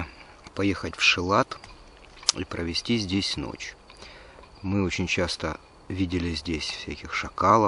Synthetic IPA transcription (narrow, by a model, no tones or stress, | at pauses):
pɐjexətʲfʂɨlˠat̪ | ḭpɾəvʲɪsʲtʲizʲdʲesʲno̰t͡ɕ | mɨo̞t͡ɕɪnʲt͡ɕast̪ə | vʲidʲɪlʲɪzʲdʲesʲfsʲækʲɪxʂɐkalˠə